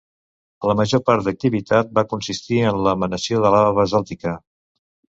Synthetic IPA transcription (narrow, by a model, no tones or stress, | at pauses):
ləməʒopaɾd̪ək̚t̪iβit̪at̪̚bakunsist̪iənləmənəsioðəlaβəzalˠt̪ikə